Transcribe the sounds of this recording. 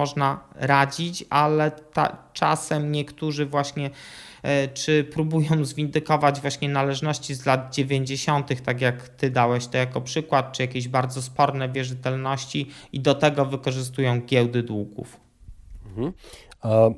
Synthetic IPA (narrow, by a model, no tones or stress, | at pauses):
ɔʐnaɾad͡ʑit͡ɕalɛt̪a̰t͡ʂasɛmɲɛkt̪uʐɘvwaɕɲɛ | t͡ʂɘpɾubujɔ̃w̃zvʲind̪ɘkɔvad͡ʑvwaɕɲɛnalɛʐnɔɕt͡ɕizlad̪̚d͡ʑevʲjeɲd͡ʑeɕɔnt̪ɘxt̪akjakt̪ɘd̪awɛɕt̪ɔjakɔpʂɘkwat̪̚t͡ʂɨjakʲeʑbaɾd̪zɔspɔɾnɛvʲjɛʐɘt̪ɛlnɔɕt͡ɕiid̪ɔt̪ɛɡɔvɘkɔʐɘs̬t̪ujɔ̃w̃ɡʲjɛwd̪ɘd̪wuɡṵf